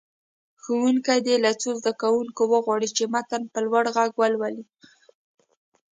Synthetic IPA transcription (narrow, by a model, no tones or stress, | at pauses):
xəwuŋkajd̪elat͡sozd̪akawuŋkowəɣwɑɽit͡ʃemat̪anpəlwaɽɣaɡwalwali